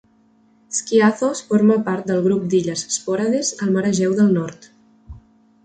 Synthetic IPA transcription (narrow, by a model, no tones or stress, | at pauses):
skiaθosfoɾməpaɾt̪̚d̪əlˠɣɾup̚d̪iʎəzspɔɾaðezəlˠməɾəʒɛwðəlˠnɔɾt̪